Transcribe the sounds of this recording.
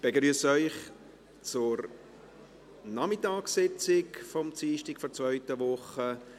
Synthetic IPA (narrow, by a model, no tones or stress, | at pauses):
b̥ɛɡɾyəsœʏχ | t͡sʊɾ | nɑmɪtɑːksɪt͡sɪkfɔmt͡siːʃtɪkfɔɾt͡svœʏtəʋʊχə